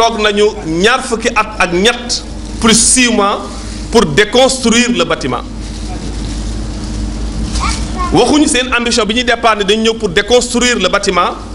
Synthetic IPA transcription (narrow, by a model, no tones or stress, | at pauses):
ɔɡnɐɲuɲarfəkiʔɐtɐk̚ɲɐtː | pɾisiːmã | purdɛkɔ̃nstɾiːrlɐbɐtimã̰ | wɐxuɲuseːnambis̬jɔ̃biɲidɛpːanidɐɲɲəwpurdɛkɔ̃nstɾiːrlɐbɐtimã